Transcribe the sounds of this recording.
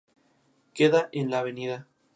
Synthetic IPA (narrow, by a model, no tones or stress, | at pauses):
keðaʔenlaβeniða